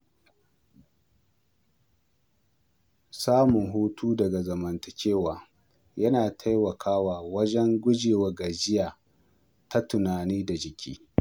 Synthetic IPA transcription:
saː˦mʊ˨ŋɦuː˦tʰuː˦dɐ˨ɡa˨zɐ˨mɐ˨ntɐ˨kʲeː˦waː˨ | jɐ˦naː˨tʰa˦jwɐ˨kʰaː˦waː˨wɐ˦d͡ʒɛ˦ŋɡʷʊ˦d͡ʒeː˨wɐ˨ɡa˨d͡ʒɪ˦jaː˨ | ta˦tʊ˨naː˨niː˦da˨d͡ʒɪ˨kʲḭː˦

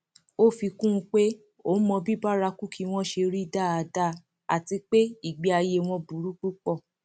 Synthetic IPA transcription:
o˦fi˧kũ˦ũ˧k͡pe˦ | o˦mɔ̃˧bi˦ba˦ɾa˧ku˦kʰi˧w̃ɔ̃˦ʃe˧ɾi˦da˦˨a˨˧da˦˨ | a̰˨ti˧k͡pe˦i˦˨ɡ͡be˨˧a˧je˧w̃ɔ̃˧bu˨˦ɾu˦k͡pu˦k͡pɔ˦˨

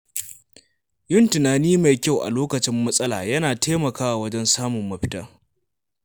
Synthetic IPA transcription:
jɪ˦˨ntɪ˨naː˨niː˦ma˨jkʲa˦wʔa̰˨loː˦kɐ˨t͡ʃɪ˦mːɐ˦sʼɐ˦laː˨jɐ˦naː˨teː˦mɐ˨kaː˦wa˨wɐ˦d͡ʒɛ˦nsaː˦mʊ˨mːɐ˨ɸɪ̥˦tɐ˦

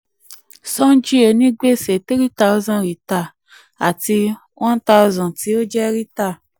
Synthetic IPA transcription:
sɔ̃˦n˦d͡ʒi˦o˧˨nĩ˦ɡ͡be˦˨se˨ti˦ɾi˦ta˦wzã˦˨ɾi˨ta˨ | a˨ti˧ | wʔɔ̃˦ta˧ɔ˧zɔ̃˨ti˨˦o˦d͡ʒɛ˦ɾi˦ta˦˨

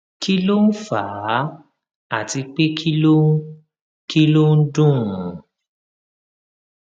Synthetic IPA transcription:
ki˦lo˦n̩˦faː˨˦ | a˦˨ti˧k͡pe˦kʰi˦lo˦ | ki˦lo˦n̩˦dũ˦˨

